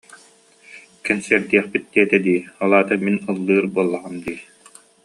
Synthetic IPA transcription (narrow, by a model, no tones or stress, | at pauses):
kɛnsɛɾd̪iɛχpit̪̚d̪iɛt̪ɛd̪iːɔlˠaːt̪aminɯlˠːɯːɾbuɔlˠːaʁamd̪iː